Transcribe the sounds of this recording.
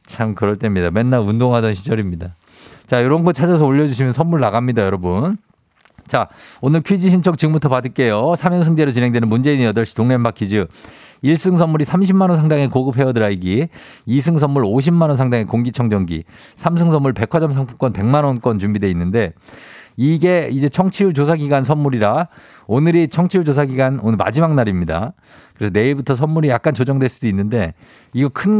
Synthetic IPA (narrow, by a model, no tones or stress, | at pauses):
t͡ɕʰamkɯɾʌɭt͈e̞mɲidamenːaundoŋɦadʌnɕʰid͡ʑʌɾimɲida | t͡ɕajoɾʌnɡʌt͡ɕʰad͡ʑas̬ʰʌoʎːʌd͡ʑuɕʰimjʌnsʰʌmːuɭːaɡamɲidajʌɾʌbun | t͡ɕaonɯɭkʰɥid͡ʑiɕʰint͡ɕʰʌk̚t͡ɕɯmutʰʌpadɯɭk͈e̞josʰamjʌnsʰɯŋd͡ʑe̞ɾot͡ɕinɦe̞ŋdwenɯnmund͡ʑe̞iɲijʌdʌɭɕʰi̥toŋnembakʰid͡ʑɯ | iɭs͈ɯŋsʰʌmːuɾisʰamɕ̬ʰimanʌnsʰaŋdaŋe̞koɡɯp̚ʰe̞ʌdɯɾaiɡiis̬ʰɯŋs̬ʰʌmːuɾoɕ̬ʰimːanʌnsʰaŋdaŋe̞koŋɡit͡ɕʰʌŋd͡ʑʌŋɡḭ | sʰamsʰɯŋsʰʌmːuɭpe̞kʰʌd͡ʑʌmsʰʌŋpʰuk͈ʌnpe̞ŋmanwʌnk͈wʌnt͡ɕumbide̞inːɯnde̞ | iɡe̞id͡ʑe̞t͡ɕʰʌŋt͡ɕʰijut͡ɕosʰaɡiɡansʰʌnmuɾiɾa | onɯɾit͡ɕʰʌŋt͡ɕʰijud͡ʑos̬ʰaɡiɡanonɯɭma̰d͡ʑimaŋnaɾimɲida̰ | kɯɾe̞sʰʌne̞iɭbutʰʌsʰʌnmuɾijak̚k͈ant͡ɕod͡ʑʌŋdwe̞ɭs͈udoinːɯnde̞ | iɡʌkʰɯn